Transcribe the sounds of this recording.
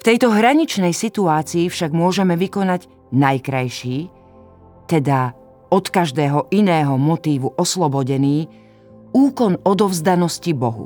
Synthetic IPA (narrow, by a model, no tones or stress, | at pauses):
ft̪ɛjt̪ɔɦɾaɲit͡ʃnɛjsit̪uaːt͡siːfʃaɡmʊɔʒɛmɛʋikɔnaɟ | najkɾajʃiː | t̪ɛd̪a | ɔt̪kaʒd̪ɛːɦɔʔinɛːɦɔmɔt̪iːʋuʔɔslˠɔbɔɟɛniː | uːkɔnɔd̪ɔvzd̪anɔscibɔɦṵ